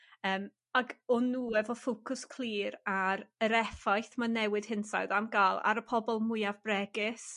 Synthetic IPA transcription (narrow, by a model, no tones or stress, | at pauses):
əːm | aɡɔnuːɛvɔfokʰʊskʰl̥ˠiːɾaɾəɾɛfajθmanɛwɪd̥hɪnsa̰wdamɡaːlˠa̰ɾəpʰɔbɔlˠmʊjavbrɛɡɪs